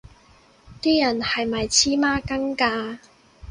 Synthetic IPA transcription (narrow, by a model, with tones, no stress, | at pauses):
t̪iː˥jɐ˨˩nhɐ˨jmɐ˨˩jt͡sʰiː˥maː˥kɐ˥ŋkaː˧